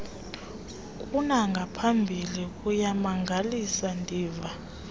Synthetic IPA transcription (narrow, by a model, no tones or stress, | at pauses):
kʼunaŋɡʱapʰambʱilik̬ʼujamaŋɡʱalisandʱiːva